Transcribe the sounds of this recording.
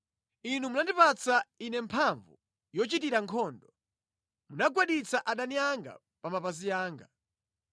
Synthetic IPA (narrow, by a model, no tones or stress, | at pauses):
inumunandipat͡sainɛmpʰaɱvṵ | jɔt͡ʃitiɾaŋkʰɔːndɔ | munaɡwaɗit͡sʰaʔaɗaniaŋɡa̰ | pamapaziaːŋɡa